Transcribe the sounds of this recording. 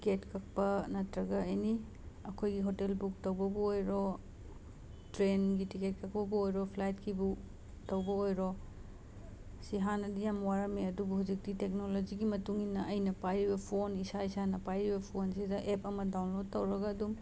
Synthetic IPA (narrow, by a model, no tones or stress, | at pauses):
tketkʰɐk̚pɐnɐtɾɐɡɐɐjni | ɐkʰojɡiɦotelbuk̚tɐwbɐbuojɾo | tɾenɡitiket̚kʰɐk̚pɐbuojɾɔpʰlajtkibu | tɐwbɐojɾo | siɦanɐdijamwaɾɐmeɐdubuhud͡ʒik̚titek̚nolod͡ʒiɡimɐtuŋinːɐɐjnɐpajɾibɐpʰonisaisanɐpajɾibɐpʰonsidɐʔepɐmɐdawnlod̚tɐwɾɐɡɐːdum